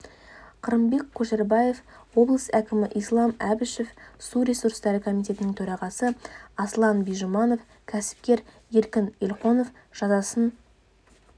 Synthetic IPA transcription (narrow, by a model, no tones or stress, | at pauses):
qʰəɾəmbe̞kʲʰːɵʃeɾbɑje̞fwo̞blˠəsækʲɪmɪʔijslˠɑmæbɪʃefsuɾe̞suɾst̪ɑɾəkʰo̞mijt̪ʰʲe̞t̪ɪnɪŋt̪ʰɵɾɑʁɑsəɑslˠɑnbijʒomɑno̞f | kʲʰæsɪ̥p̚kʲe̞ɾ | je̞ɾkʲɪnelqo̞no̞f | ʒ̥ɑzɑsən